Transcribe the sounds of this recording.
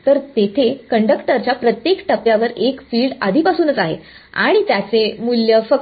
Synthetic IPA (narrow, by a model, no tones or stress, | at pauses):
t̪əɾt̪et̪ʰekəɳɖəkʈəɾt͡ɕjapɾət̪jekʈəpjaʋəɾekfiːɭɖa̰d̪ʱiːpasuːnət͡saɦḛ | a̰ɽ̃it̪jat͡semuljəfək